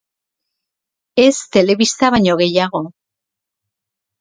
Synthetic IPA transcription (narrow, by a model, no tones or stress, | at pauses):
e̞st̪e̞le̞βist̪aβaɲo̞ɣe̞jaɣo̞